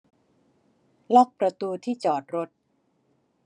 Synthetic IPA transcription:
lɔː˥˩k̚pɾa˧t̪uː˧t̪ʰiː˥˩t͡ɕɔː˨˩t̪̚ɾo˦˥t̪̚

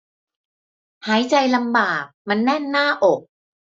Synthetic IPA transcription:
haː˩˦jt͡ɕa˧jla˧mbaː˨˩k̚ma˧nːɛ˥˩nːaː˥˩ʔo˨˩k̚

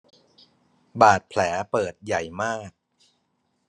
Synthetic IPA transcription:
baː˨˩t̪̚pʰlɛː˩˦pɤː˨˩t̪̚ja˨˩jmaː˥˩k̚

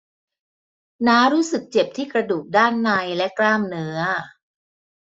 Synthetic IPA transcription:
naː˦˥ɾuː˦˥sɯ˨˩k̚t͡ɕe˨˩p̚t̪ʰiː˥˩kɾa˧duː˨˩k̚daː˥˩nːa˧jlɛ˦˥kɾaː˥˩mnɯ˦˥ɐ

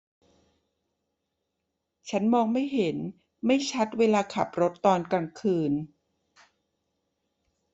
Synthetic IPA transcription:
t͡ɕʰa˦˥nmɔː˧ŋma˥˩jɦe˩˦n | ma˥˩jt͡ɕʰa˦˥t̪̚weː˧laː˧kʰa˨˩p̚ɾo˦˥t̪ːɔː˧nka˧ŋkʰɯː˧n

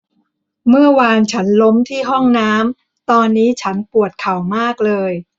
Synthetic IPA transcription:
mɯ˥˩ɐwaː˧nt͡ɕʰa˦˥nlo˦˥mt̪ʰiː˥˩ɦɔ˥˩ŋnaː˦˥m | t̪ɔː˧nːiː˦˥t͡ɕʰa˦˥npu˨˩ət̪̚kʰa˨˩wmaː˥˩k̚lɤː˧j

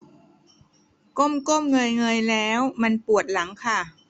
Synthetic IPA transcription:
ko˥˩mko˥˩mŋɤ˧jŋɤ˧jlɛː˦˥wma˧npu˨˩ət̪̚la˩˦ŋkʰa˥˩

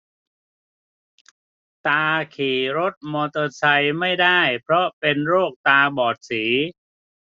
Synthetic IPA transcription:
t̪aː˧kʰiː˩ɾo˦˥t̪̚mɔː˧t̪ɤː˧sa˧jma˥˩jdaː˥˩jpʰɾɔ˦˥pe˧nɾoː˥˩k̚t̪aː˧bɔː˨˩t̪̚siː˩˦

